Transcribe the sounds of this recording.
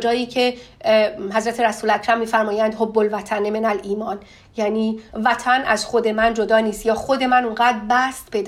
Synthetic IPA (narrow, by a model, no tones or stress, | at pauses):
d͡ʒɒːjiːcʰe̞ | ɦæzɾæt̪ʰeɾæsuːlæcʰɾæmːiːfæɾmɒːjænd̪ɦobːolvæt̪ʰænːemenæliːmɒːn | jæːniːvæt̪ʰænʔæz̥xod̪e̞mænd͡ʒo̞d̪ɒːniːst̪jɒːxod̪e̞mænuŋɢæːd̪bæst̪be̞d̪